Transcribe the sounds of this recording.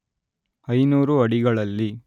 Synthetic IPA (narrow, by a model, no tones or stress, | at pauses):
ɐjnuːɾuɐɽiɡɐɭɐlːi